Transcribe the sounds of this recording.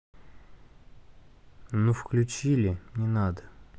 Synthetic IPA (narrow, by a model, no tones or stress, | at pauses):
nufklʲʉt͡ɕilʲɪmnʲɪnad̪ə